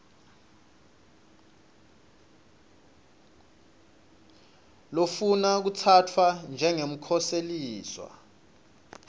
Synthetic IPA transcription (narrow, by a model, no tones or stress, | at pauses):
lofunak̬ut͡sʰatʰwand͡ʒʱɛŋem̩kʰɔseliːswa̰